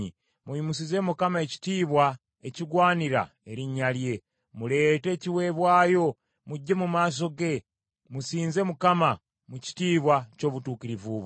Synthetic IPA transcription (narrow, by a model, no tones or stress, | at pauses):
i | mujumusize̞mukamae̞ci̥tiːβwa | e̞ciɡwaːniɾa̰ | e̞ɾiɲalje̞ | mule̞ːte̞ːciwe̞βwaːjo̞ | muɟːemumaːs̬o̞ɡe̞ | musiːnze̞mukama | muci̥tiːβwaco̞ːβutuːkiɾivuβ